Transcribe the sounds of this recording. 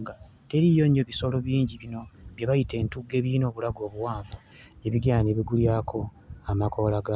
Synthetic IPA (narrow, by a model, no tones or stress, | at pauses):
ŋɡa | teɾijo̞ɲoeβiso̞lo̞βjiːɲɟiβino̞βjaβajite̞ːntuɡe̞ːβino̞ːβulaɡo̞ːβuwaːɱva | eβiɡaːɲeβiɡuljaːkʰo̞ | amakʰo̞laɡa